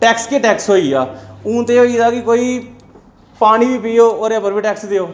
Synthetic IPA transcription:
ʈɛːkskeːʈɛːksɦoːiːaːũːt̪eːoːiːd̪aːkɪkoːiː | paːniːbʱiːpiːoːoːɾepəɾbʱiːʈɛːksd̪eoː

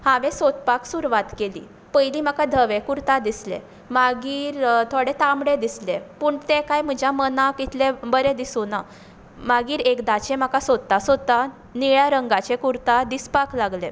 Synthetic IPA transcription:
haʋẽsot̪̚paksuɾʋat̪kelḭː | pəjliːm̤akad̪ʱəʋekuɾt̪ad̪islḛ | maɡiːɾt̪ʰoɽet̪ãmɽed̪islepuːɳt̪ekajm̤əd͡ʑʱjamənakit̪ʰlebəɾed̪isuna | maɡiːɾekd̪at͡ɕem̤akasod̪̚t̪asot̪a | niɭjaɾəŋɡat͡ɕẽkuɾt̪ad̪ispaklaɡlẽ

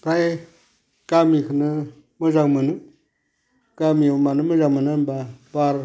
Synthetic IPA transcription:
pʰaj | kamikɨnɨ | mɨzaŋmɨnɨ | kamiumanɨmɨzaŋmɨnambabaɾ

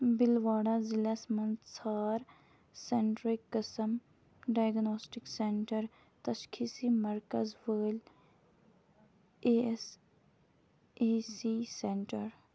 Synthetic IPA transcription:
bɪlʋaːɽaːzɪlasmənt̪saːɾ | sɛɳʈɾɪkːəsəm | ɖaːjɡnoːsʈɪksɛɳʈəɾ | t̪əʃkʰiːsiːməɾkəzʋəːl | eːs | eːsiːsɛ̃ɳʈəɾ

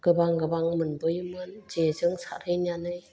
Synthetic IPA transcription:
ɡ̥ɯbaŋɡɯbaŋmɯnbɯjmɯnd͡ʒezɯŋsa̰ɾɯjnjanɯj

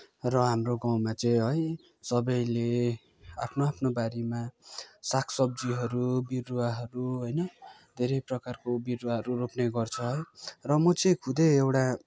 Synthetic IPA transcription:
rʌɦamroɡaw̃mat͡sʌĩɦʌj | sʌbʌjle | apʰnoapʰnobaɾimasakʰsʌb̚d͡ziɦʌɾubiruaɦʌɾuɦʌjnʌ | d̪ʱeɾʌjprʌkarkobiruaɦʌɾuropneɡʌrt͡sʰʌɦʌjrʌmʌt͡sʌĩkʰud̪eewʈa

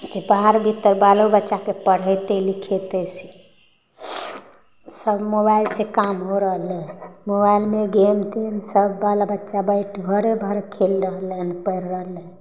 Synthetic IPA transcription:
d͡ʒebaɦaɾbʱit̪ːəɾbalobətːʃakepəɽ̤ət̪elikʰet̪ɛsi̥ | səbmobailsekamɦoɾəɦlenmobailmeɡemt̪ʰinsəbʱːalabətːʃabəɪʈʰbʱəɾebʱəɾekʰelɾəɦlenpəjɾːəɦle

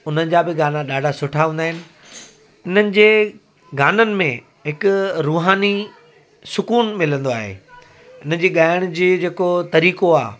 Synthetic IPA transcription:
ʊn̤ənɪ̆d͡ʑabɪɡaːnaɗaːɖʱasʊʈʰaɦũːnd̪aːɦɪnɪ̆ | ɪn̤ənɪ̆d͡ʑeː | ɡaːnənɪ̆mẽ | ɦɪkʊɾuːɦaːni | sʊkuːnmɪlə̃nd̪oa̰ːɦḛː | ɪn̤ə̆d͡ʑeːɠaːɪəɽ̃ʊd͡ʑeːd͡ʑeːkot̪ɐɾiːkoaː

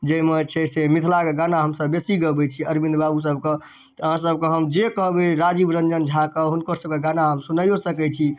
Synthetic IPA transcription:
d͡ʒemet͡ʃʰɛsemit̪ʰlakeɡanaɦəmsəbːesiɡəbɛt͡ʃʰiəɾbĩnd̪babus̬əbke | t̪ɦãsəb̚keɦəmd͡ʒekəɦbeɾad͡ʒibɾənd͡ʒənd͡ʒʱakəɦunkəɾsəb̚keɡanaɦəmsunəjosəkɛt͡ʃʰi

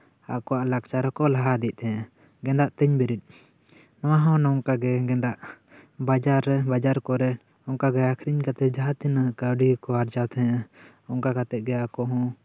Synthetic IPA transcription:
a̰kɔwaʔlakt͡ʃaɾɔkɔlaɦad̪ɛc̪̚t̪ʰɛa | ɡɛ̃nd̪aʔt̪əɲbɛɾid̪̚ˀ | nɔwaɦɔ̃nɔɔŋkaɡɛɡɛnd̪aʔ | bad͡ʒaɾɛbad͡ʒaɾkɔɾɛ | ɔŋkaɡɛakʰɾiɲkat̪ɛd͡ʒaɦat̪inakawɖikɔaɾd͡ʒawt̪ʰɛa | ɔŋkakat̪ɛɡɛakɔɦɔ̃

